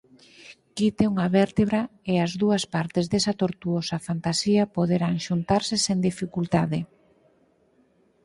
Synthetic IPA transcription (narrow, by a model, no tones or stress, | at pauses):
kit̪euŋɐβɛɾt̪eβɾaeaɐzðuɐspaɾt̪ezðɛsɐt̪oɾt̪uosɐfant̪asiɐpoðeɾaŋʃunt̪aɾseseŋd̪ifikult̪aðe